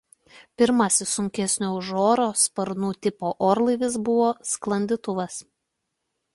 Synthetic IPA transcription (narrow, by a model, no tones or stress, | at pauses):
pʲɪɾmɐsʲɪsʊŋʲkʲɛsʲnʲoːʊʒoːɾoːspɐɾnuːt̪ʲɪpoːʔoːɾlˠɐɪʋʲɪsbʊʋoːsklˠɐnʲd̪ʲɪt̪ʊʋɐs